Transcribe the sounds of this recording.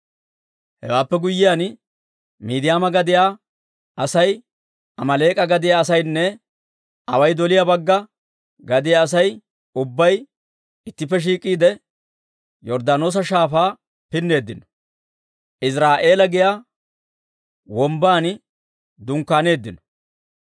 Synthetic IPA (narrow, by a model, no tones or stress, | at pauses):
hɛ̰waːpːɛɡʊjːɪjaːn | miːd̪ɪjaːmɐɡɐd̪ɪjaː | ʔɐsɐj | ɐmɐle̞ːkʼɐɡɐd̪ɪjaːsɐjnːɛ | ɐ̰wɐjd̪ɔlɪjabɐɡːɐ | ɡɐd̪ɪjaːs̬ɐj | ʊbːɐj | ɪt̪ːɪpːɛʃ̬iːkʼːiːd̪ɛ | jɔɾd̪aːno̞ːs̬ɐʃaːfaː | pɪnːe̞ːd̪ːɪnɔ̥ | ʔɪs̬ɾaːʔe̞ːlɐɡɪjaː | wɔmbaːn | d̪ʊŋkːaːne̞ːd̪ːɪnɔ̥